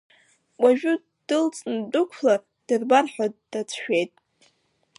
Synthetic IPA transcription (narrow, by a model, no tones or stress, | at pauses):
wʷʼaʒᶣʊ | d̥ɨlt͡sʼndʼʊkʷʰlar | d̥ɨrbarħᶣadd̥at͡sʰʃᶣejtʼ